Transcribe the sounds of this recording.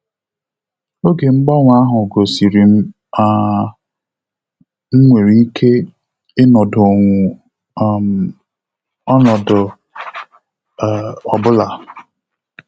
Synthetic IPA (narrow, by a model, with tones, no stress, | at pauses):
o˦ɡe˨ŋ͡m̩˦ɡ͡bɔ˦ŋʷ˨˦a˦ɦʊ˨ɡo˨si˨ɾi˨m̩˦ | a˦ | ŋ͡m̩˦ŋʷe˨ɾi˦kʰe˦ | ɪ˦nɔ˨do˨ŋʷu˨˦ | ɔ˦nɔ˨dʊ˨ | ɔ˨bʊ˦la˨